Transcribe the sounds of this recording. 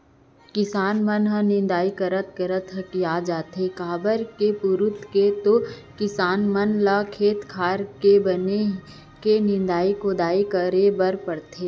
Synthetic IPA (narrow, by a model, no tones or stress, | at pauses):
kɪsaːnmənɦə̃nɪ̃nd̪aːikɐɾət̪kəɾət̪ɦəkijad͡ʒaːt̪ɦekaːbəɾkepʊɾʊt̪ket̪okɪsaːnmənlaːkʰeːt̪kʰaːɾkebəne | kenɪ̃nd̪aːikod̪aːikəɾebəɾpəɽt̪eː